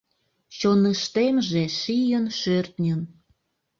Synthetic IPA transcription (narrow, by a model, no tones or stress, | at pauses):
t͡ɕonəʃt̪emʒeʃijənʃørt̪nʲən